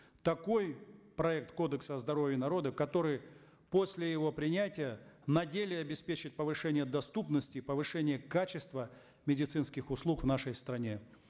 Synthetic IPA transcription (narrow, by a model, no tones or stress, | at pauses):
t̪ɐko̞jpɾɐɛk̚t̪ko̞d̪əksəzd̪ɐɾovʲjɪnɐɾo̞d̪əkɐt̪o̞ɾɨj | po̞sʲlʲɪjɪvo̞pɾʲɪnʲætʲɪjənɐdʲelʲɪɐbʲɪspʲet͡ɕɪt̪̚ʲpəvɨʂɛnʲɪjəd̪ɐst̪upnəsʲtʲɪpəvɨʂɛnʲɪjəkat͡ɕɪst̪və | mʲɪdʲɪt̪sɨnskʲɪxʊslˠukvnaʂəjst̪ɾɐnʲe